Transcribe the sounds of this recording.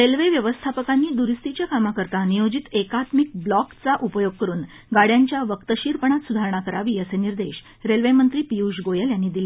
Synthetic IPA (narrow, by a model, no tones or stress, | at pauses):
ɾelʋeʋjəʋəst̪ʰapəkanːiːd̪uɾist̪it͡ɕjakamakəɾt̪anijod͡ʑit̪ekat̪mik̚blɔkt͡saʔupəjoɡ̚kəɾuːn | ɡaɽjaɲt͡ɕjaʋəkt̪əɕiɾpəɳat̪sud̪ʱaɾəɳ̃akəɾaʋiːəseniɾd̪eɕ | ɾelʋemənt̪ɾiːpijuɕɡojəljanːiːd̪ile